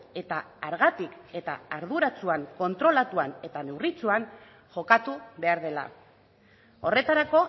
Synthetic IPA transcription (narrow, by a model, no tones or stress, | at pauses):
e̞t̪aaɾɣat̪ike̞t̪a̰ːɾðuɾat͡suaŋko̞nt̪ɾo̞lat̪uane̞t̪ane̞writ͡suaŋ | ʝo̞kat̪uβe̞aɾð̞e̞la̰ | o̞re̞t̪aɾako̞